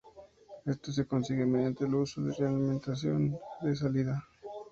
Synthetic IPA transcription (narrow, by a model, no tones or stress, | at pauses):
e̞st̪os̬e̞ko̞nsiɣemeðjant̪elusoðerealiment̪as̬jo̞̰nd̪es̬aliða